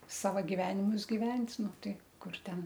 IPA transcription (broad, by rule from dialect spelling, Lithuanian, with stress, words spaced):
ˈsɑːʋɐ ɡʲɪˈʋʲæːnʲɪmʊs ɡʲɪˈʋʲɛnʲtʲ ˈnʊ ˈtɐɪ ˈkʊr ˈtʲɛn